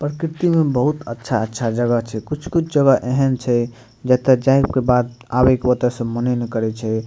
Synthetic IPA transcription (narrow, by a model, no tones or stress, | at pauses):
pɾəkɾit̪imebəɦut̪ətːʃʰaətːʃʰad͡ʒəɡəɦt͡ʃʰɛkut͡ʃʰkut͡ʃʰd͡ʒəɡəʔeɦənt͡ʃʰɛ | d͡ʒɛt̪əd͡ʒajpkebad̪ | abekeʋət̪əsə̃mənənekəɾɛt͡ʃʰɛ